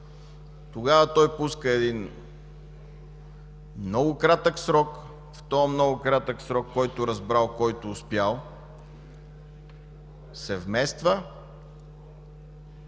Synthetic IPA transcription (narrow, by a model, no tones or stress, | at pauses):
t̪oɡavət̪ɔjpuskəɛd̪in | mnɔɡʊkɾat̪əksɾɔk | ft̪ɔmnɔɡʊkɾat̪əksɾɔkːɔjt̪ʊɾɐzbɾalˠkɔjt̪ʊːspjalˠ | sɛvmɛst̪və